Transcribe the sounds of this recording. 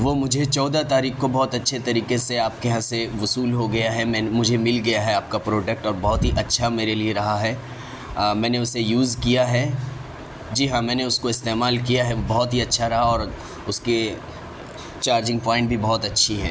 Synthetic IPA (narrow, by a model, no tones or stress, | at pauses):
ʋomʊd͡ʒʱet͡ʃɔːd̪at̪aːɾiːxkobɔːt̪ɐtːʃʰet̪ɐɾiːkeseaːp̚keɦãseʋʊsuːlɦoɡɐjaɦɛmɛ̃ːmʊd͡ʒʱemɪlɡɐjaɦɛaːp̚kapɾoːɖək̚ʈɔːɾbɐɦɔt̪ɦiʔɐtːʃʰameːɾelieɾɐɦaɦɛː | mɛ̃ːneʊsejuːzkijaɦɛ | d͡ʒiːɦãmɛ̃ːneʊskoɪst̪eːmaːlkijaɦɛobɔɦɔt̪ɦiɐtːʃʰaɾɐɦaɔːɾ | ʊske | t͡ʃaːɾd͡ʒɪ̃ŋɡ̚pɔ̃ːɪ̃ɳʈbʱibɔɦt̪ɐtːʃʰiɦɛ̰ː